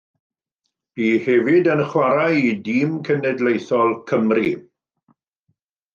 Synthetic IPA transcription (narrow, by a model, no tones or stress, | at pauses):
b̥iːhɛvɪdənχwaɾajidiːmkʰənɛdlejθɔlˠkʰəmri